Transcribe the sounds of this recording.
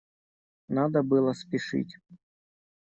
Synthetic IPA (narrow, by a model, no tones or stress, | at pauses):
nad̪əbɨlˠəspʲɪʂɨ̰tʲ